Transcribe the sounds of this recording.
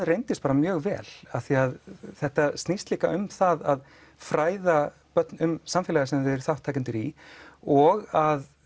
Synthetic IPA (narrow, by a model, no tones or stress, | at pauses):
ðrejnt̪ɪst̪paːɾamjœːɣvɛ̰ːl̥aθiaðθɛht̪ast̪nist̪liːka̰ʔʏmθaðað | fɾaːjða | pœt̪nʏmsamfɪlaɣasɛmɪðɛɾ̥θawht̪ʰːajcʏnt̪ɪɾiɔɣað